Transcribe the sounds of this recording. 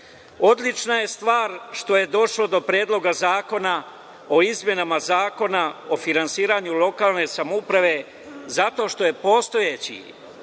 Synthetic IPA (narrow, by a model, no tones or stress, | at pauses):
o̞d̪lit͡ʃnaje̞st̪ʋaːɾʃt̪o̞je̞d̪o̞ʃlod̪o̞pɾeːd̪lˠo̞ɡazaːko̞na | o̞izmje̞namazaːko̞nao̞finansiːɾaɲulˠo̞kaːlˠne̞samoupɾaʋe̞ | zat̪o̞ʃt̪o̞je̞po̞ːst̪o̞jet͡ɕḭ